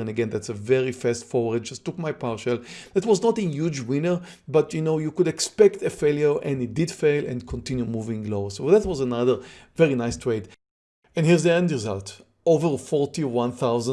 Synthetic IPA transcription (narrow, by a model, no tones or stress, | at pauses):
ɛ̃nəɡɛ̃nd̪ætsəvɛɹifɛstfɔɛd̚d͡ʒastːukmajpaɹʃəlɛtwɔznɔtəjud͡ʒwɪ̃nə˞ | batjunoʊjukudɛkspɛktəfeljəɹʔɛ̃nit̚dɪdfeɪlɛ̰̃nkʰɔ̃ntĩnjumuvĩŋloʊsoðætwɔzənaðə˞vɛɹinajstʰweɪt | ɛ̃nhiɹzðiɛ̃ndɹizalt | ovəɹfɔɹtiwãnθawzə̃